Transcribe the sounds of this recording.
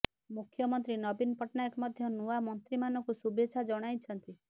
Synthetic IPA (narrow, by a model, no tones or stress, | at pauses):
mukʰjɔmɔnt̪ɾinɔbinpɔʈnaekmɔd̪ʱjɔnuamɔnt̪ɾimanɔkusubet͡ʃʰad͡ʒɔɽ̃ajt͡ʃʰɔnt̪i